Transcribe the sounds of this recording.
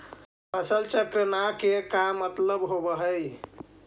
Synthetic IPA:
pʰəsəlt͡ʃəkɾənakekamːət̪ləbɦobəɦəj

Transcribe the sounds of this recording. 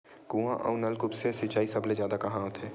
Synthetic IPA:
ɡũãʔə̰ʊnɐlkʊpsesɪt͡ʃaːisɐblezjaːd̪akɐɦãɦoːt̪ʰeː

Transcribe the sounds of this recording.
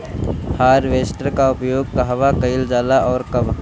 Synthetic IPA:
haːɾʋeːsʈəɾkaʊpjoːɡ̚kəɦʋakəɪld͡ʒaːlaʔɔːɾkɐb

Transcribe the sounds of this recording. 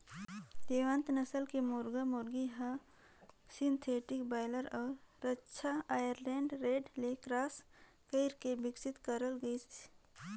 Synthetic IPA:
d̪eːʋə̃nt̪nɐsəlkemʊɾɡamʊɾɡiɦa | sɪ̃nt̪ʰeːʈɪkbaːɪləɾɔːɾːɐtːʃʰaaːjəɾlẽːɳɖɾeːɖlekɾaːs | kəɪɾkebɪksɪt̪kəɾəlɡəi̥

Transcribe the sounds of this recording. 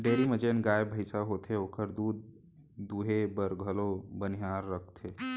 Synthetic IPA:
ɖeːɾiməd͡ʒenɡaːjbʱəɪsaɦot̪eoːkəɾd̪uːd̪̚ː | uɦebəɾɡʱəlobənijaːɾːəkʰt̪ʰe

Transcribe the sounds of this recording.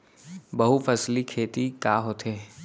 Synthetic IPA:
bɐɦufʰɐslikʰeːt̪ikaːɦot̪eː

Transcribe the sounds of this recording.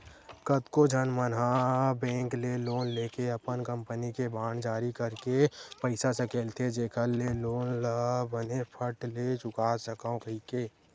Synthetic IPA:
kət̪kod͡ʒʱənmənɦabɛ̃ːŋkleloːnleːkeəpənkə̃mpənikebaːɳd͡ʒaːɾikəɾkepəɪsasəkeːlt̪ʰed͡ʒeːkʰəlːeloːnləbənepʰəʈlet͡ʃʊkaːsəkaõkəɦikeː

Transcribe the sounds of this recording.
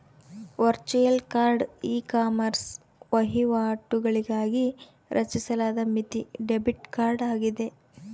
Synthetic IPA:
ʋɐɾt͡ʃijɐlkaːɾɖiːkaːmɐɾs | ʋɐɦiʋaːʈːuɡɐɭiɡaːɡi | ɾʔɐ̰t͡ʃisɐlaːd̪ɐmit̪iɖebiʈkaːɾɖaːɡid̪e̞

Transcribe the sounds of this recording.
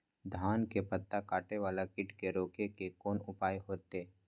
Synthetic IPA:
d̪ʱaːnkepət̪ːakaːʈeʋaːlakɪʈkeɾoːkekekoːnʊpaːjɦoːt̪eː

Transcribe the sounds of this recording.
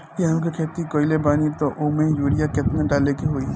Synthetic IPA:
jeɦɐmkekʰeːt̪ikoːɪlebaːnit̪oʔoːmẽjuːɾijaket̪nẽɖaːlekeɦoːi

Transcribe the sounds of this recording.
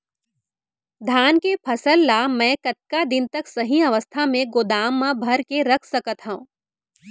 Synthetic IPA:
d̪ʱaːnkepʰɐsəlːamɛ̃ːkɐt̪̚kad̪ɪnt̪ɐksɐɦĩɐʋəst̪ʰamẽɡʊd̪aːmːãbʱɐɾkeɾɐkʰsɐkət̪ɦaũː

